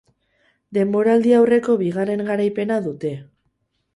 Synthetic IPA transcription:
d̪e̞mbo̞ɾald̪iawre̞ko̞βiɣ̞are̞ŋɡaɾajpe̞naðut̪e̞

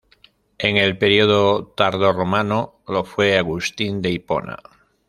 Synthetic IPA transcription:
eŋe̞lpeɾioðot̪aɾðoromano | lo̞fweaɣust̪ind̪e̞ipo̰na̰

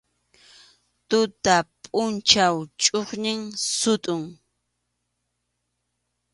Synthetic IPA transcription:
t̪ʊt̪apʼʊnt͡ʃawt͡ʃʼoχnɪŋsʊt̪ʼʊŋ

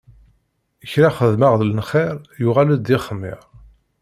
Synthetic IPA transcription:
əçɾaχəðməʁðələnχeɾjʊʁalæd̪ɪχəmːɪ̰ʁ

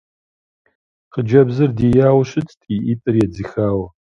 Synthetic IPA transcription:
qʰəd͡ʒɐbzɨrdijaːwɕɨtʰʼtʼiʔiːtʼɨrjɛd͡zɨxaːwɐ

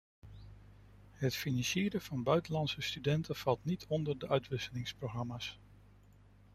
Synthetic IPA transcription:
ɦətfinɑnʃɪːɾəv̥ɑnbœɥtənlɑnsəstydɛntʰəv̥ɑlˠtnitʰɔndəɹdəʔœɥtʋɪsəlɪŋsproχrɑmaːs

